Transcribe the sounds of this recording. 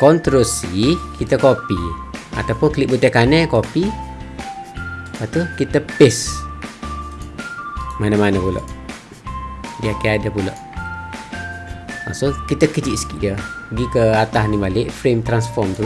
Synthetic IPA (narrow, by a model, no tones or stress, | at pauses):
kɔnt̪ɾosikʰit̪əkopia̰t̪awpʊnkliʔ̚but̪ɛkanɛkopi | pat̪ukit̪əpɪs | manamanəpulɔ̰ʔ | diakeadapulɔ̰ʔ | ma̰sokit̪əkəd͡ʒiʔsə̥kiʔdəəɡikəat̪ahnibalɪʔfɾemt̪ɾansfɔrmt̪